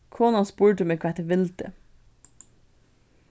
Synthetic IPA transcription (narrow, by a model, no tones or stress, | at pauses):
kʰoːnɑnspʉːɹʈəmekʰɑːɛt̪əʋɪlt̪ə